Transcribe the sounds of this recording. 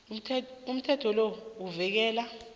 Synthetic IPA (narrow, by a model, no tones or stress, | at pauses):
um̩tʰɛtʰɔlouvɛk̬ɛːla